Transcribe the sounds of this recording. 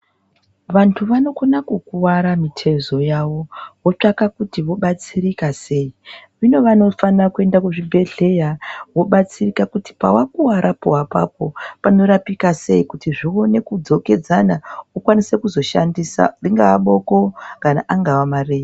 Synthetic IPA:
ʋantʰuʋano̞konakukuwaɾamitʰe̞zo̞jawo̞wo̞t͡ʂakakutiʋo̞ɓat͡sirikase̞ːiʋino̞ʋano̞fanrakue̞ndakuʐibʱe̞ɮe̞jawo̞ɓat͡sirikakuti̥pa̰wakuwaɾʔapo̞apa̰p̚o̞pano̞ɾapikase̞ikutiʐio̞ne̞kud͡zo̞ke̞d͡zanaukwanise̞kuzo̞ʃandisa̰riŋɡaːɓo̞ko̞kanaʔaŋɡawamareːja

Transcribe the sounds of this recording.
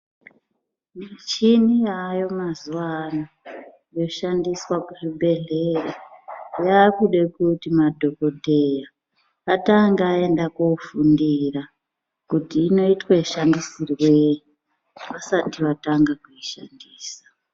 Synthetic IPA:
mat͡ʃiniajo̞mazuwana | jo̞ʃandiswakuriɓʱe̞ɮe̞rajakuɗe̞kutimadʱo̞ko̞te̞jaː | taŋɡaːe̞ndakofundira | kutiːno̞itwaeʃandisirwe̞ | ʋasatiʋataŋɡakuiʃandiːsḁ

